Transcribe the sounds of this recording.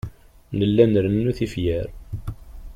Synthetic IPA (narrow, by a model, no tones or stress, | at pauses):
nəlːænɾənːuθifjæɾ